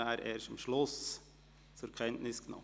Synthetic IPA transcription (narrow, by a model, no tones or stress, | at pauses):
æːɾʔeːʃtɪmʃlʊs | t͡sʊɾkʰɛntnɪsɡ̥ənɔ̰m